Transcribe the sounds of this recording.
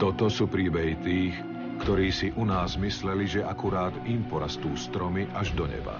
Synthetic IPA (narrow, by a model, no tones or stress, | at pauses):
t̪ɔt̪ɔsuːpɾiːbɛɦit̪iːx | kt̪ɔɾiːsiʔunaːzmislɛliʒɛʔakuɾaːd̪impɔɾast̪uːst̪ɾɔmiʔaʒd̪ɔɲɛ̰ba̰